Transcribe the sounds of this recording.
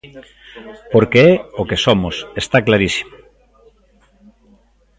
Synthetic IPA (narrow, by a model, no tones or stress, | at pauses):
poɾkeɛokesomosest̪aklaɾisi̥mo